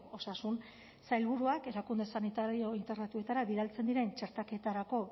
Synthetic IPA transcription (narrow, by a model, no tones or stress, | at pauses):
o̞sasun | sajlβuɾuake̞ɾakund̪esanit̪aɾio̞int̪eɾnat̪ue̞t̪aɾaβiɾalt͡se̞nd̪iɾe̞nt͡ʃe̞ɾt̪ake̞t̪aɾako̞